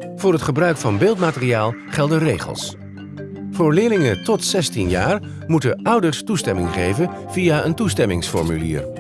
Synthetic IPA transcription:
v̥ʊːrɦətχəbrœɥkfɑnbeːlˠtmaːtərijaːlˠχɛlˠdərejχə̰lˠs | v̥ʊːɹlɪːlɪŋəntɔtsɛstinjaːr | mutəʔʌwdəɹstustɛmɪŋχejvən | v̥iaʔəntustɛmɪŋsfɔ̰ɹmylḭːɹ

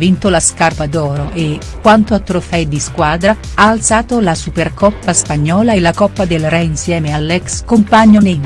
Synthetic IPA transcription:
vint̪olaskarpad̪ɔːɾoʔekːwant̪oat̪ːɾofɛjd̪iskwaːd̪ɾa | aːlt̪saːt̪olasuperkɔpːaspaɲːɔːlaelːakɔpːad̪elrɛinsjɛːmealːɛkskompaɲːonej

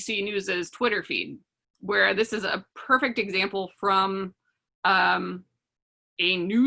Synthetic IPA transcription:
sinʉzɨz̥tʰw̥ɪɾə˞fḭd̚ | wə˞ðɪsɨzə̰pʰɜ˞fɪk̚tɨɡzæ̃mpl̩ˠfɹʌ̃m | ʌ̃m | ɨnʉ

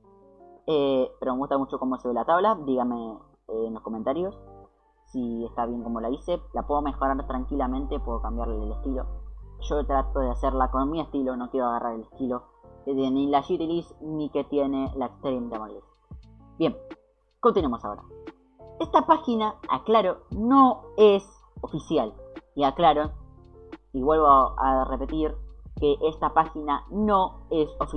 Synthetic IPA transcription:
epeɾomeɣuht̪amut͡ʃo̞ko̞moseβelat̪aβlad̪iɣame̞ | enlo̞sko̞ment̪aɾjo̞s | sie̞st̪aβ̞je̞ŋko̞mo̞laise̞lapweðome̞xo̞ɾaɾt̪ɾaŋkilamẽ̞nt̪epweðokambjaɾleeleht̪ilo̞ʒo̞t̪ɾat̪oðeaseɾlako̞nmie̞st̪ilo̞no̞kjeɾoaɣarʔaɾele̞st̪ilo̞enilaʃut̪ilisnike̞t̪je̞ne̞laeksp̪eɾjent̪amalis | bje̞m | kont̪inw̃amo̞sa̰o̞̰ɾa̰ | est̪apaxinaa̰klaɾonoes | ofisjaliaklaɾo | iβwe̞lβoaa̰repe̞t̪iɾkeʔest̪apaxinano̞eso̞fi

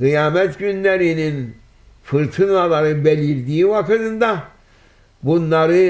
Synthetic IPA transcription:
ɡ̥ɯjaːmɛt̪ɟynlʲeɾinin | fɯɾt̪ʰɯnalˠaɾɯbelʲiɾd̪iːvakʰɯd̪ɯnd̪a | bunlːˠaɾɯ

